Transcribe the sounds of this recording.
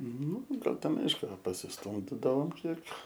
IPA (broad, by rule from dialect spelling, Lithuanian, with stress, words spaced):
nʊ ˈɡɐlˠ ˈtʲɛn ˈɐɪʃkʊ pɐsʲɪsˈtʊmʲdʲɪdɐʋoːm ˈkʲiɛk